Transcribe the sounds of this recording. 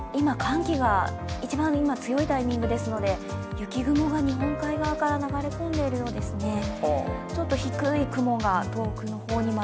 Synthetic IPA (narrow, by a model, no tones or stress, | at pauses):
imakãŋkʲiɡa | it͡ɕibãɰ̃imat͡sɨjo̞it̪aimʲĩŋɡɯ̟d̪e̞sɨno̞d̪e̞jɯ̟kʲiɡɯ̟mo̞ɡaɲ̟iɦõ̞ŋkaiɡaβakaɾanaɡaɾe̞kõ̞nd̪e̞iɾɯ̟jo̞ːd̪e̞sɨne̞ | t͡ɕo̞t̪ːo̞çikɯ̟ikɯ̟mo̞ɡat̪o̞ːkɯ̟no̞ho̞ːɲ̟ima